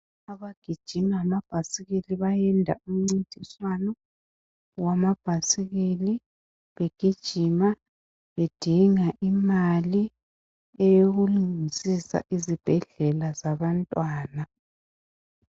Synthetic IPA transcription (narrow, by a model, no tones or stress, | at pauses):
aβaɡ̥ʱid̥ʒ̥ʱimamab̥ʱasiɣiliβajɛndʱa̰um̩ŋ͡ǀintʼiswanɔ | wamab̥ʱasiɣili | βeɡ̥ʱid̥ʒ̥ʱima | βed̥ʱiŋaʔimali | ɛjoɣuluŋŋisisa̰ʔizib̥ʱɛɮɛlazaβantʼwaːna